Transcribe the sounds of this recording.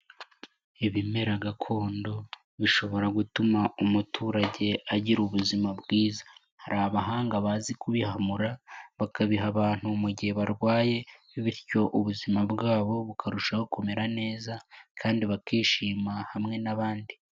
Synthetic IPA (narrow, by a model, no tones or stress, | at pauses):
iβime̞ɾaɡakʰo̞ːndo̞ | βiʃo̞βo̞ɾaɡutumaumutʰuːɾaɟe̞aɟiɾuβuzimabɡiːzḁ | haɾaβaɦaːŋɡaβazikuβihamuɾaβakaβiɦaβaːn̥humuɟihe̞βaɾɡwaːje̞ | βiɾco̞ʔuβuzimabɡaːβo̞βukʰaɾuʃahokumeɾane̞ːzakʰaːndiβakiːʃiːmahamŋe̞naβaːndi